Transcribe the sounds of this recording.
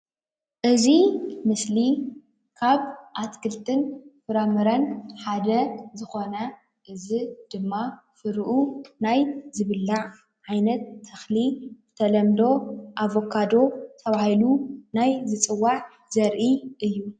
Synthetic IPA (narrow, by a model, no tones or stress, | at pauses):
ʔɨzimɨsli | kʰaβʔat̪kʰɨlt̪ʰɨnfɨɾamɨɾɐnħad̪ɐzɨxo̞nɐ | ʔɨzid̪̥ɨmːa | fɨɾʔunajzɨβɨlːaʕ | ʕajnɐt̪ʰːɐxlibɨt̪ʰɐlɐmd̪o̞ʔaβo̞kʰad̪o̞t̪ʰɐβahilunajzɨt͡sʼɨwːaʕ | zɐɾʔiʔɨjːu